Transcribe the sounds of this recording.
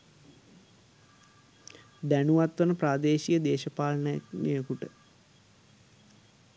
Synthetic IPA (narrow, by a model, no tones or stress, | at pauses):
d̪ænuʋat̪ʋɐnəpɾaːd̪eːʃijəd̪eːʃɐpaːlɐnənḛjəkuʈə